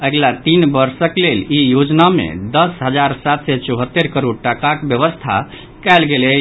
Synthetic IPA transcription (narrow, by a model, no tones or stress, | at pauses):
əɡlat̪inbəɾsəklelijod͡ʒnamḛd̪əsɦəd͡ʒaɾsat̪sɛt͡ʃɔɦət̪ːeɾkəɾoɽʈakakbjəβəst̪ʰa̰ | kɛlɡelɛ